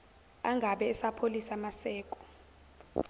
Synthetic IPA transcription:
aŋɡʱaɓɛːsapʰolisamasɛːkʼɔ̥

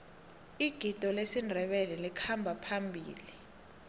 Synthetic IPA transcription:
iɡ̥ʱid̥ʱɔlesindʱɛɓɛlɛlikʰambʱapʰambʱḭːli

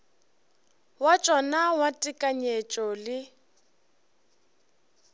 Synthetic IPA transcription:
wat͡ʃʼɔnawatʼɪkʼaɲet͡ʃʼɔlɪ

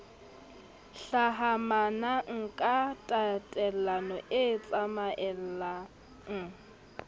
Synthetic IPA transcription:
ɬaɦamanaŋ̩kʼatʼatʼɛl̩anɔʔɪt͡sʼamaʔɛl̩la | ŋ̩

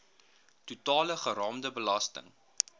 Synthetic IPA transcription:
tutɑːləχəɾɑːmdəbəlɐstə̰ŋ

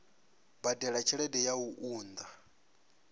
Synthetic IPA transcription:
badɛɺat͡ʃʰɛɺɛdɛjauʔuːnd̪a

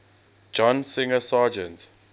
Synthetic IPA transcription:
d͡ʒɔ̃nsɪ̃ŋəsaːd͡ʒɛ̃nt

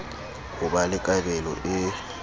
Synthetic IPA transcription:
hʊbalɪkʼabɛlɔ̰ʔɪ

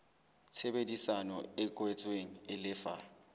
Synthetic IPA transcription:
t͡sʰebedisanɔɪkʼwɛt͡sʼweŋ̩ɪlɪfa

